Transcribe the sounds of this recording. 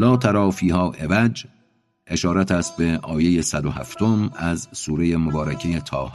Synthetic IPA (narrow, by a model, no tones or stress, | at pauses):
lɒːt̪ʰæɾɒːfiːɦɒːʔe̞væd͡ʒ | ʔe̞ʃɒːɾæt̪ʰæst̪̚beʔɒːje̞jesæd̪oɦæ̰ft̪omæzsuːɾe̞je̞mobɒːɾæcʰejet̪ʰɒːh